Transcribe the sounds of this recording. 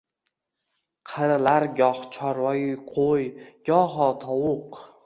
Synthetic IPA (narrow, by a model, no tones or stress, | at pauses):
qʰɨɾɪlaɾɡʲɒht͡ʃʰɒɾwɒjqʰojɡʲɒɦɒt̪ʰɒwʊq